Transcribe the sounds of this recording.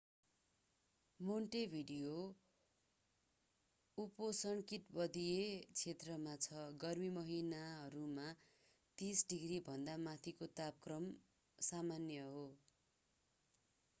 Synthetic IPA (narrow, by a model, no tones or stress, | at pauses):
moɳʈebʱiɖijo | uposʌɳkit̪bʌd̪ijet͡sʰet̪rʌmat͡sʰʌɡʌrmimʌɦinaɦʌɾuma | t̪isɖiɡribʱʌnd̪amat̪ʰikot̪ap̚krʌm | samanjʌɦo